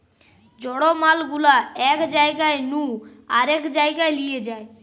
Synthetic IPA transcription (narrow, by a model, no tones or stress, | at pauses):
d͡ʑɔɽomalɡulaɛkd͡ʒaeɡaenũ | aɾɛkd͡ʒaeɡaelied͡ʑae